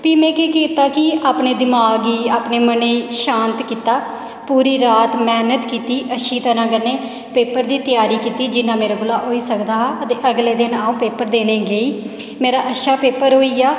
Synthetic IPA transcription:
piːmɛ̃ːkeːkiːt̪aːkɪaːpneːd̪ɪmaːɡiːaːpneːməneːʃãːnt̪kiːt̪aː | puːɾiːɾaːt̪mɛːnət̪kiːt̪iːʔəʃiːt̪əɾãːɡəneː | peːpəɾd̪iːt̪ɪjaːɾiːkiːt̪iːd͡ʒɪnãːmeːɾaːɡʊlaːɦoːiːsəkd̪aːɦaʔət̪eːʔəɡleːd̪ɪnaːũːpeːpəɾd̪eːnẽːɡeːiː | meːɾaːʔəʃaːpeːpəɾɦoːiːaː

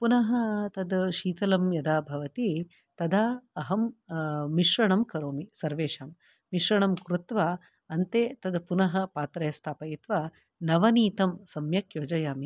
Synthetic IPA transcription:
punɐɦɐt̪ɐd̪ʃiːt̪ɐlɐmjɐd̪aːbʱɐʋɐt̪i | t̪ɐd̪aːɐɦɐmː | iʃɾɐɳɐmkɐɾoːmisɐɾʋeːʃaːm | miʃɾɐɳɐmkɾut̪ʋaː | ɐnt̪eːt̪ɐd̪punɐɦɐpaːt̪ɾɐjɐst̪ʰaːpɐjit̪ʋa | nɐʋɐniːt̪ɐmsɐmjɐkjoːd͡ʒɐjaːmi

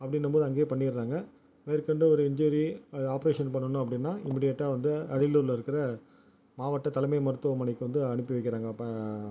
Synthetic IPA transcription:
ɐpːɐɽɪnːɐpoːðɯɐŋɡeːpɐɳːɪɾaːŋɡɐ | ʋeːɾkːɐɳɖɯɔɾɯɪɲd͡ʒuːɾiaːpɐɾeːʂɐnpɐɳːɐnʊ̃ɐpːɐɽɪnːaːɪmːiːɽɪjeʈːaːʋɐnd̪ɯɐɽɪluːɾɪlɐɪɾɯkːɪɾɐ | maːʋɐʈːɐt̪ɐlɐmɐɪmɐɾɯt̪ːɯʋɐmɐɳɛɪkːɯʋɐnd̪ɯɐɳɯpːɯʋɛɪkːɪɾaːŋɡɐpːɐ

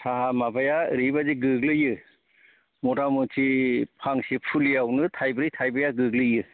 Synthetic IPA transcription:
tʰaɦamabajaɾibaziɡɯɡlɯjɯ | mɔdamɯtʰipʰaŋsipʰulijawnɯtʰajbɾɯjtʰajbajaɡɯɡlɯjɯ

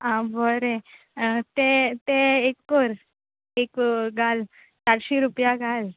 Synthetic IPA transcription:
ãbəɾe | t̪et̪eekːoɾ | ekɡal | saɽɕiɾupjaɡal

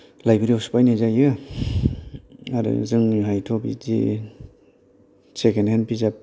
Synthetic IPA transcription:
lajbiɾiawsu̥pajnezajɯ | aɾɯ̰zɯŋɦajtʰobḭzḭ | sekenhenpizap̚

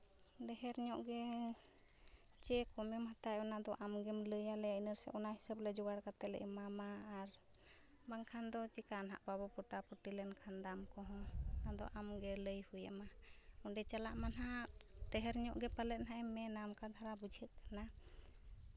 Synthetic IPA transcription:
ɖɛɦɛɾɲɔʔɡɛ | t͡ʃɛkɔmɛmhat̪ajɔnad̪ɔʔamɡɛmləjalɛainəɾsɛ̰ʔɔnaɦisəblɛd͡ʒuwaɽkat̪ɛlɛ̰ʔɛmamaːɾ | baŋkʰand̪ɔt͡ʃikanɦa̰ʔbabɔpɔʈapuʈilɛnkʰand̪amkɔɦɔ̃nad̪ɔ̰ʔamɡɛləjhujɛ̰maɔɖɛt͡ʃalaʔmanɦaɖɛɦɛɾɲɔʔɡɛpalɛt̪̚ˀnaʔɛmɛnamkad̪ʱaɾabud͡ʒʱət̪̚kana

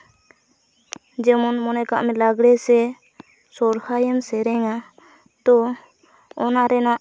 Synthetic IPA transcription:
d͡ʒɛmɔnmɔnɛkaʔmɛlaɡɽɛsɛ | sɔɾhajɛmsɛɾɛŋa | d̪ɔː | naɾɛnaʔ

